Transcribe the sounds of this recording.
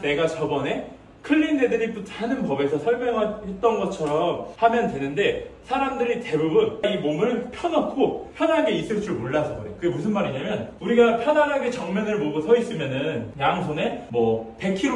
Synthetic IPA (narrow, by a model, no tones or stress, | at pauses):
ne̞ɡat͡ɕʌbʌne̞ | kʰɯʎːinːe̞dɯɾip͈utʰanɯnpʌbe̞sʰʌsʰʌɭmjʌŋɦahe̞t̚t͈ʌnɡʌt̚t͡ɕʰʌɾʌmhamjʌndwe̞nɯnde̞sʰaɾamdɯɾite̞bubɯnaimomɯɭpʰjʌnʌkʰopʰjʌnaɡe̞is͈ɯɭt͡ɕ͈uɭmoɭːasʰʌɡʌdeokɯɡemusʰɯnmaɾiɲamjʌnuɾiɡapʰjʌdaɾɦaɡe̞t͡ɕʌŋmjʌnɯɭmoɡosʰʌis͈ɯmjʌnɯnjaŋsʰone̞mwʌpe̞kʰiɾ